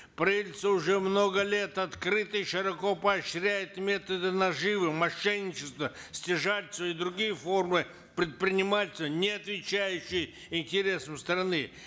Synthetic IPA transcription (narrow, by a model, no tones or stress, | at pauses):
pɾɐilʲt̪səʊʐɛmnoɡəlʲe̞t̪ɐt̪kɾɨt̪ɨjʂɨɾɐkopɐːɕɾʲæjɪt̪mʲet̪əd̪ɨnɐʐɨvɨmɐʂːɛnʲːɪt͡ɕɪst̪və | sʲtʲɪʐatʲsvɐid̪ɾʊɡʲijəfo̞rmɨ | pɾʲɪt̪̚pɾʲɪnʲɪmatʲɪsʲt̪ənʲɪɐt̪vʲɪt͡ɕæjʉɕːɪj | ɪnʲtʲɪɾʲe̞səmst̪ɾɐnɨ